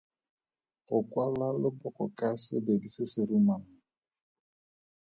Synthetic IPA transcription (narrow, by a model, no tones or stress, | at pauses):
ɣʊkʼwalalɪbʊkɔ̰kʼasɪ̰bedisɪsɪɾumaŋ̩